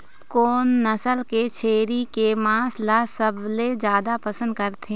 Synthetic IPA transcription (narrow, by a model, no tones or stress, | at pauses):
koːnːɐsəlket͡ʃʰeːɾikemãːslasəbled͡ʒjaːd̪apɐsə̃nd̪̚kɐɾt̪ʰeː